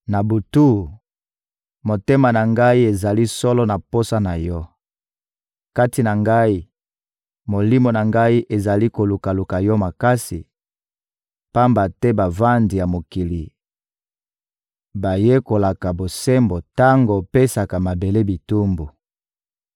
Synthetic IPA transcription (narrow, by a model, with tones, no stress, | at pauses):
na˨bu˨tu˦˨ | mo˨te˦ma˨na˨ŋɡa˦i˦e˨za˨li˦sɔ˦lɔ˦na˨po˦sa˦na˨jɔ˦ | ka˦ti˨na˨ŋɡa˦i˦ | mo˨li˦mo˨na˨ŋɡa˦i˦ʔe˨za˨li˦ko˨lu˨ka˨lu˨ka˨jɔ˦ma˨ka˦si˨ | pa˦mba˨tɛ˦ba˨va˦ndi˨ja˨mo˨ki˨li˨ | ba˨je˦ko˨la˨ka˨bo˨sɛ˦mbo˨ta˦ŋɡo˨pe˦sa˨ka˨ma˨be˨le˦bi˨tu˦mbu˨